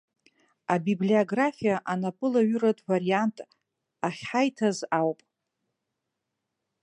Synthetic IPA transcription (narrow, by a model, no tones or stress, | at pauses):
abiblioɡrafijaʔanapʼɨlaɥʏɾatʼvariantʼ | aχʲħajtʰazawpʼ